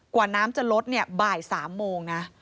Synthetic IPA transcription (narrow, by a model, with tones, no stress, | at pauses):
kwaː˨˩naː˦˥mt͡ɕa˨˩lo˦˥t̪̚ni˥˩ɐbaː˨˩jsaː˩˦mːoː˧ŋna˦˥